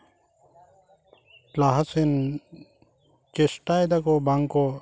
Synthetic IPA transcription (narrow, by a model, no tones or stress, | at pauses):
laɦasɛn | t͡ʃesʈajd̪akɔbaŋkɔ